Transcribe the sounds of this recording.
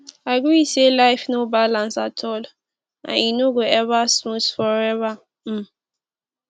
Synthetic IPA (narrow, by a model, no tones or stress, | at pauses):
aɡuiselajfnobalãnsatʰɔl | a̰inoɡuɛvasmusfɔɹɛva